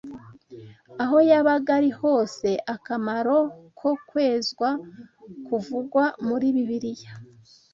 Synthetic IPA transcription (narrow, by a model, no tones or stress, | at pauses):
aɦo̞jaβaɡaɾiho̞ːse̞ʔakamaɾo̞kʰo̞kwe̞ːzɡwa | kuvuɡwamuɾiːβiβiɾija